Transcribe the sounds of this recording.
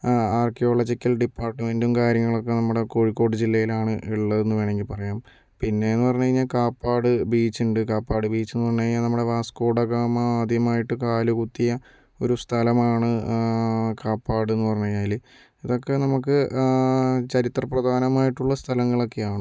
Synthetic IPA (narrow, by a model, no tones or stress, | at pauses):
aːrkijo̞ːɭɐd͡ʑikʲːɐlɖipːaːrʈːɨme̞ndumkaːɾjɐŋːɐɭo̞kːe̞nɐmːuɽe̞ko̞ɻikːo̞ːʈːɨd͡ʑilːɐjilaːɳɨiɭːɐðe̞nːɨʋe̞ːɳe̞ŋɡilpɐrɐjaːm | pinːe̞enːɨpɐrɐɲːɐiɲːaːlkaːpːaːɽɨbiːt͡ɕːuɳɖɨkaːpːaːɽɨbiːt͡ɕːe̞nːɨpɐrɐɲːɐiɲːaːlnɐmːuɽe̞ʋaːskoːɽɐɣaːmaːd̪ʱjɐmaːjiʈːɨkaːlukut̪ːijɐ | o̞̰ɾust̪ʰɐlɐmaːɳɨ | kaːpːaːɽe̞nːɨpɐrɐɲːɐaːli | iðo̞kːe̞nɐmukːɨ | t͡ɕɐɾit̪rɐprɐd̪ʱaːnɐmaːjiʈːuɭːɐst̪ʰɐlɐŋːɐɭo̞kːe̞jaːɳɨ